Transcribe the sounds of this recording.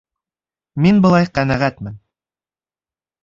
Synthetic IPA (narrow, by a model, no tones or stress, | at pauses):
minbɤ̆lˠɑjqænæʁæt̪mɘn